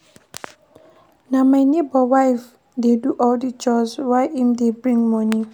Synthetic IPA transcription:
namajnebɔwajf | deduʔɔldit͡ʃɔzwajʔĩmdebɹĩŋmɔ̃ni

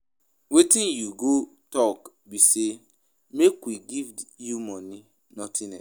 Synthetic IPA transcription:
wetĩnjuɡotɔk | bise | mekwiɡivjumɔni | nɔtʰɪnɛ

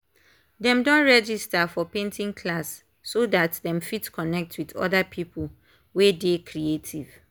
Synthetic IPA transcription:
dɛ̃mdɔ̃nɹɛd͡ʒistafɔpẽntʰĩŋkʰlasː | odatdɛ̃mfitkʰɔnɛk̚tʰwitɔ̰dapʰipʰu | wedekʰɾietʰiv̥

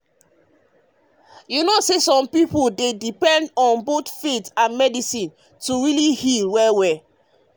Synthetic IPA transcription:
junosesɔ̃mpipoldedipɛ̃ndɔ̃nbotfitãnmɛdisĩn | tuɹilihilwɛwɛ

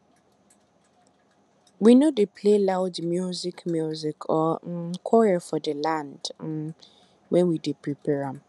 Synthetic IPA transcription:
winõdɪpʰlelaʊd͡ʒmjuzikmjuzikʰɔkʰɔɹafɔdɪlãnd | wɛ̃nwidipʰɹipʰɛɹãm

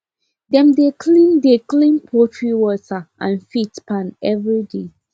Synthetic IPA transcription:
dɛ̃mdekʰlĩndeklĩnpʰɔtʰɹiwɔtʰaʔã̰nfitpãnɛvɹide

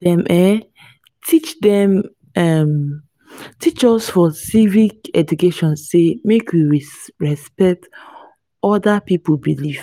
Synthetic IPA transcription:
dɛ̃mʔɛ | tʰit͡ʃdɛ̃m | ɛm | tʰit͡ʃɔsfɔsivikɛd͡ʒukeʃɔ̃nsemekwiɹisɹɛspɛk̚t | ɔdapipobiliv

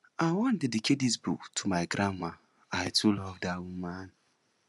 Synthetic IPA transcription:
awɔn̩dɪdikedizbṵktʰumaɪɡɾʔama | aɪtulɔvdawum̩mana

